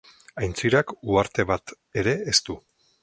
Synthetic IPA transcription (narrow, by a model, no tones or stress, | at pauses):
ajnt͡siɾakuaɾt̪e̞βat̪ | e̞ɾe̞ːst̪u